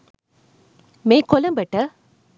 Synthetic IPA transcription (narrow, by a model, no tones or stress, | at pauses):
meːkːɔlɐmbɐʈːɐ